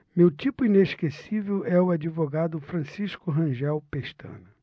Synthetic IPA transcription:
mewt̪ipʊineʃkesivewʔɛʊad͡ʒivoɡad̪ʊfɾɐ̃siʃkʊɦɐ̃ʒɛwpeʃt̪ɐ̰̃nʊ

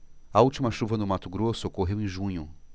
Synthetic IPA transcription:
ɐuwt͡ʃimɐʃuvɐnd̪ʊmat̪ʊɡɾosʊokoɦewẽj̃ʒũɲʊ

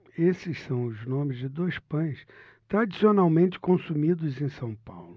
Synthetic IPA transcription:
esɪssɐ̃w̃ʊznõmɪzd͡ʒɪd̪ojspɐ̃j̃s | t̪ɾad͡ʒisionawmẽnt͡ʃɪ̥kõsumid̪ʊzẽj̃sɐ̃w̃pa̰wlʊ

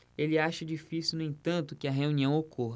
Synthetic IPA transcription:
elɪaʃɐd͡ʒifisiwnʊẽt̪ɐ̃nt̪ʊkɪɐɦeũniɐ̃w̃okʰoɦɐ

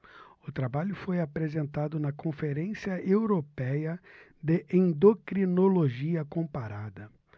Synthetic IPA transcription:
ʊt̪ɾabaʎʊfojapɾezẽnt̪ad̪ʊnɐkõfeɾẽsiɐewɾopɛjɐ | d̪ɪʔẽnd̪okɾinoloʒiɐkõpaɾad̪ɐ

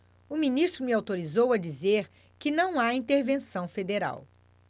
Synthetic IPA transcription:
ʊminist̪ɾʊmɪawt̪oɾizowɐd͡ʒizeɾ | kɪnɐ̃w̃aĩnt̪eɾvẽsɐ̃w̃fed̪eɾa̰w

